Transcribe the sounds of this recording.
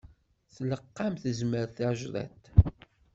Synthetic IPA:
θləqːamθəzməɾθaʕʒðˤæ̰t̪

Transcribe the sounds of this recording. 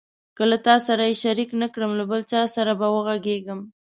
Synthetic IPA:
kəlat̪ɑsaɾajeʃaɾiknakɽəmlabəlt͡ʃɑsaɾabawəɣaɡeɡəm

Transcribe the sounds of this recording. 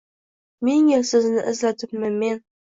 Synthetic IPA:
meŋɪlsɪznɪʔɪzlat̪ʰɪpmɪnme̞n

